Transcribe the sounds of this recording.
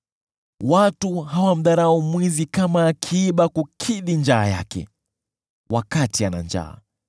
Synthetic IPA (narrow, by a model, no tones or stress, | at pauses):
watuɦawam̩ɗaɾaɔmwizikamaːkʰiːɓakukʰiɗind͡ʒaːja̰kɛ̰ | wʔakatiana̰nd͡ʒa̰ː